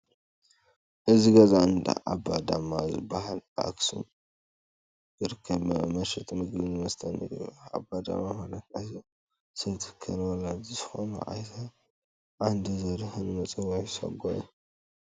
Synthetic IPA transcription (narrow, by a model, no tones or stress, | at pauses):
ʔɨziɡɐzaɨnd̪a̰ʔabad̪amazɨ̰baɦala̰ksṵm | jɨɾɨkʰːɐbmɐʃɛt̪ʼmɨɡlinmɐst̪ʰɐnḭɾḭja̰bad̪a̰mamanat̪ato | sɨnt̪ʰɨ̥kʰːɐɾwɔlad͡ʒ̪izɨxo̰nṵʔa̰jt̪ʰa | ʔand̪izɐɾhɨnmɐt͡sʼɨwɔjsɐ̰ɡoji